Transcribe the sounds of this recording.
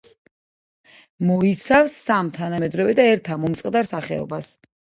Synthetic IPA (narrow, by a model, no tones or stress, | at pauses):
mɔit̪sʰafsːamt̪ʰanamɛd̪ɾɔvɛd̪aɛɾt̪ʰamɔmt̪sʼqʼd̪aɾsaχɛ̰ɔ̰bas